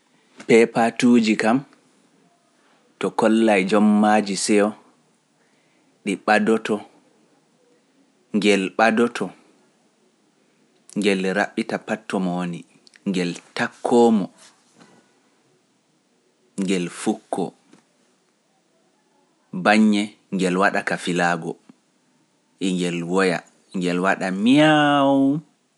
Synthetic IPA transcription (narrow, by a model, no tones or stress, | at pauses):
pɛpatud͡ʒikam | tɔkɔlːajd͡ʒɔmːad͡ʒisɛɔ | ɗiɓadɔtɔ | ŋɡɛlɓadɔtʰɔ | ŋɡɛlɾa̰ɓːitapatʰːɔmɔwoni | ŋɡɛltakʰːɔːmɔ | ŋɡɛlfukʰːɔ̰ | baɲːɛ | ŋɡɛlwaɗakafilaːɡɔ̰ | ʔiŋɡɛlwɔja̰ | ŋɡɛlwaɗamijawu